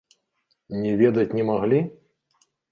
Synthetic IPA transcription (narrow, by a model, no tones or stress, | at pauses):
nʲɛvʲɛd̪ɐt͡sʲnʲɛmaɣlʲi